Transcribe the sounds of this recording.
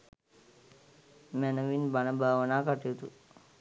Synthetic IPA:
mɛnəʋinbanəbʱaːʋənaːkaʈijut̪u

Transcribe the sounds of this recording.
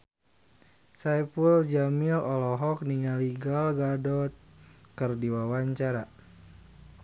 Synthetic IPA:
sajpuld͡ʒamilɔlɔɦɔk̚niŋaliɡalɡadɔt̪̚kərdiwawaɲt͡ʃaɾa

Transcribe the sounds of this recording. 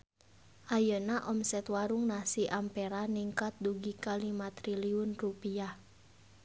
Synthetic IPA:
ʔajənaʔɔmsɛt̪waɾʊŋnasiʔampeɾaniŋkat̪̚duɡikalimat̪ɾiliʊnrupia

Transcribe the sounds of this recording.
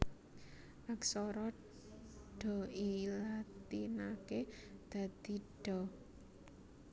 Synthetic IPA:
ʔaksɔɾɔ | ɖ̥ɔ̤ilat̪inaked̪̥ä̤d̪̥i̤ɖ̥ɔ

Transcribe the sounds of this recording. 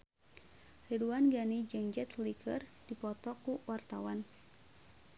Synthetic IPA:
riduanɡanid͡ʒɨŋd͡ʒɛt̪likə̰rdipɔt̪ɔkuwart̪awan

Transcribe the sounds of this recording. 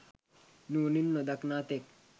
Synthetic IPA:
nuːninːɔd̪aknaːt̪ek̚

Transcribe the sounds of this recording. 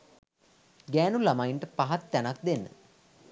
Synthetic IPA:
ɡæːnulamajnʈəpaɦat̪ːænak̚d̪enːə̰

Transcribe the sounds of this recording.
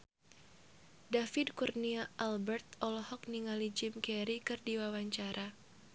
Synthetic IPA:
dafɪdkurniaʔalbɛrt̪̚ɔlɔhɔk̚niŋalid͡ʒɪmkɛɾikɨrdiwawaɲt͡ʃaɾʔa

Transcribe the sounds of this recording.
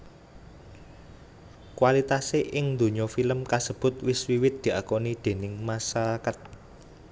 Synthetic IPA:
kwalit̪aseʔɪŋnd̪o̤ɲɔfiləmkasəb̥ʊ̤t̪̚wɪswiwɪt̪̚d̪̥i̤ʔakonid̪̥e̤nɪŋmasaɾakat̪̚

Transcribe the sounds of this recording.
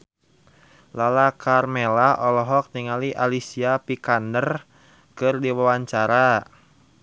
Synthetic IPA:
lalakʰarmelaʔɔlɔɦɔk̚niŋaliʔalisiapikandər | kɨrdiwawaɲt͡ʃaɾa

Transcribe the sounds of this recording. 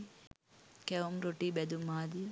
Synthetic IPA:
kɛumɾoʈibɛd̪umaːd̪ij

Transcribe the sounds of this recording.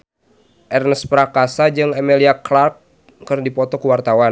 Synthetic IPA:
ʔɛrnəspɾakasad͡ʒɨŋɛmɛliaklark̚ː | ɨrdipɔt̪ɔkuwart̪awa

